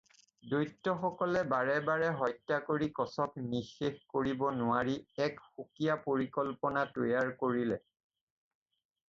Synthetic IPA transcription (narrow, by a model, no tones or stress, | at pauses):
dojtːɔxɔkɔlɛbaɹɛbaɹɛɦɔjtːakoɹikɔsɔk̚nixexkoɹibɔnʊwaɹiɛkxukijapoɹikɔlpɔnatojaɹkoɹilɛ